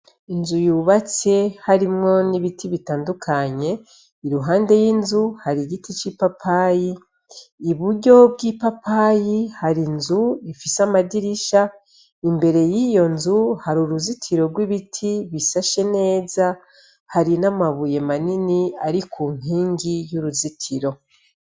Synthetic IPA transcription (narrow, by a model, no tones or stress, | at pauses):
inzujuːβat͡se̞haɾimŋo̞niβitʰiβitaːndukʰaɲe̞ | iɾuɦaːnde̞jinzuhaɾiɟitit͡ʃipapʰajiː | βuɾɟo̞b̚ɡipapajihaɾinzuifisamadiɾiʃa | imbe̞ɾe̞jiːjo̞nzuhaɾuɾuzitʰiɾo̞ɾɡwiβitʰiβisaʃe̞ne̞ːza | haɾinamaβuje̞maniniaɾikʰuːm̥hiːŋɡijuɾuzitʰiɾo̞